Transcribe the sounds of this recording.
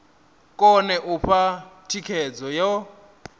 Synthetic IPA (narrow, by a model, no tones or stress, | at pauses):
kʼɔnɛʔuɸʰatʰikʰɛd͡zɔjɔ